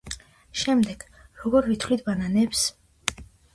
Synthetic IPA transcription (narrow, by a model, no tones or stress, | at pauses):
ʃɛmd̪ɛɡ̥ | ɾɔɡɔɾvit̪ʰlit̪ʰbananɛps